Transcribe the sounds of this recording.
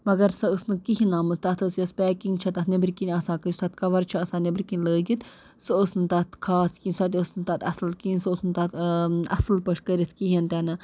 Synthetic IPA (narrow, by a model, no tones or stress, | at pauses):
mɐɡɐɾsɐəsnɨkiɦinaːmɨst̪ɐt̪ʰəsjɐspʲɛːkiŋɡt͡ʃʰɐt̪ɐt̪nʲebɾikinʲɐsãːkəɾist̪ɐt̪̚ʰkɐʋɐɾt͡ʃʰɐɐsaːnebɾʲkinʲləːɡit̪ | sɨəsnɨt̪ɐt̪ʰkʰaːskinsɐt̪̬ʲiəsnɨt̪ɐt̪ɐsɨlkinsɐəsnɨt̪ɐt̪ɐsɨlpəʂʰkəɾʲit̪ʰkiɦint̪ɛnɨ